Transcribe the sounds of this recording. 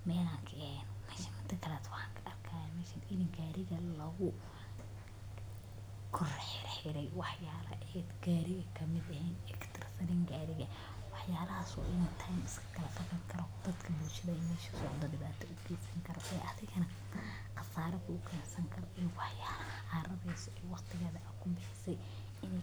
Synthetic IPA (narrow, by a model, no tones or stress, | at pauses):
mɛːlaːŋkʰɐhɛːnɔmɛʃɐmɐnt̪ʰɐkʰɐlɛːt̪ʰwɑħɑːŋkʰɐʔɐrkʰaːjamɛʃɐnɪðɪŋɡaːɾɪɣɐlɐɣʊ | kʰʊrħɪrħɪɾɛjwɑħjaːlɐ̰ʔɛːd̪ɡaːɾɪɣɐkʰɐmɪd̪ɐɦɛːnɛkt̪ʰɐrsɐniːŋɡaːɾɪɣɐ | wɑħjaːlɐhaːsɔ̰ʔɪnt̪ʰajmɪskʰɐ̥kʰɐlɐfɐɣɐŋkʰɐɾɔd̪̥ɐd̪kʰɐbuːlʃɐðɐmɛːʃɐnsɔʕd̪ɐdɪβaːt̪ʰɔʊɡɛːsɐŋkʰɐɾɔʔɛːʔɐðɪɣɐnɐ | qɐsaːɾɐkʰʊʊkʰɛːnsɐŋkʰɐɾɔʔijwɑħjaːlɐhɐaːrɐβɛjsɔʔɛwɑqt̪ʰɪɣɐːðɐʔɐkʰʊbɪħɪsɛj | ɪn